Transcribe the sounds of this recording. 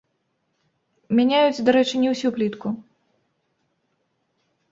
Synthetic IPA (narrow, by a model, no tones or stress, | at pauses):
mʲanʲajut͡sʲd̪aɾɛt͡ʂɨnʲɛwsʲuplʲit̪ku